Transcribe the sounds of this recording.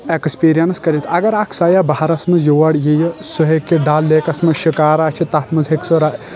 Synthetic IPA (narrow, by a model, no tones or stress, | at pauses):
ekspiːɾijɐnskɐɾit̪ɐɡɐɾaːkʰsaːjaːbaɦaɾɐsmɐzjoʋɐɽjejɐsuɦekːiɖaːlːeːkɐsmɐʃikaːɾaːt͡ʃʰit̪ɐt̪mɐzɦeksoɾaː